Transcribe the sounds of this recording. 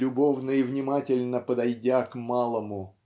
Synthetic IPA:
ʊbo̞vnəivnʲɪmatʲɪlʲnəpəd̪ɐjdʲakmalˠəmʊ

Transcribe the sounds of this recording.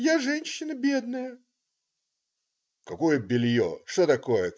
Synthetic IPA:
jaʐɛnʲɕːɪnəbʲed̪̚nəjə | kɐkojəbʲɪlʲjoʂt̪ot̪ɐkojə

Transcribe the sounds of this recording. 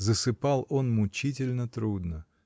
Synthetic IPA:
zəsɨpɑlˠo̞nmʊt͡ɕit̬ʲɪlʲnət̪ɾud̪nə

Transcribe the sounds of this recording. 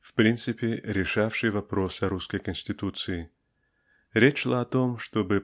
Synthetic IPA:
fpɾʲint̪sɨpʲɪɾʲɪʂafʂɨjvɐpɾo̞sɐɾuskəjkənʲsʲtʲɪt̪ut̪sɨjɪ | ɾʲet͡ɕʂlˠaɐt̪o̞mʂt̪obɨ

